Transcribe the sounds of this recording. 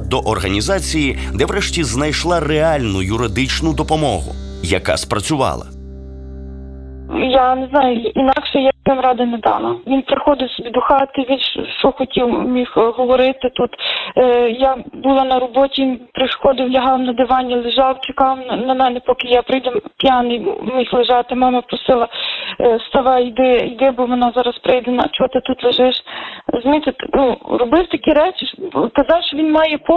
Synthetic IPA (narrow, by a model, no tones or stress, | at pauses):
d̪ɔʔɔrɦɐnʲizɑt͡sʲijid̪ɛʋɾɛʃtʲiznɐjʃlˠɑreɑlʲnʊjʊɾɪd̪ɪt͡ʃnʊd̪ɔpɔmɔ̰ɦʊ̰ | jɐ̰kɑ̰spɾɐt͡sʲʊʋɑ̰lˠɐ̰ | janeznɑjʊinɑkʃɛjasɛmɾɑd̪ɪned̪ɑ̰lˠɐʋʲinpɾɪxɔd̪ɪwsɔbʲid̪ʊxɑt̪kɪʋʲinʃʃt͡ʃɔxɔtʲiwmʲixɦɔʋɔɾɪt̪ɪt̪ut̪ | jabulˠɑnɐɾɔbɔtʲiʋinpɾɪʃxɔd̪ɪwlʲɐɦɑwnɐd̪ɪʋɑnʲːɐlˠeʒɑwt͡ʃekɑwnɐnɐmɛnɛpɔkɪjapɾɪjd̪ɛpʲjɑnɪjmʲixlˠeʒɑt̪ɪmɛmɛpɾɔsɪlˠɐ | st̪ɑʋɑid̪ɪijd̪ɪbʊmenɑzɑɾɐspɾɪjd̪ɛnɐt͡ʃɔt̪ɪt̪ut̪lˠeʒɪʃzmʲit̪ɪt̪nuɾɔbɪwt̪ɐkʲiɾɛt͡ʃɪk̪ɐzɑwʃt͡ʃɔʋʲinmɑjɛpɔ